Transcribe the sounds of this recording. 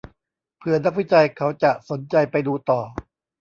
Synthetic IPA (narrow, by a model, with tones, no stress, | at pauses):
pʰɯ˧ɐna˦˥k̚wi˦˥t͡ɕa˧jkʰa˦˥wt͡ɕa˨˩ʔso˩˦nt͡ɕa˧jpa˧jduː˧t̪ɔː˨˩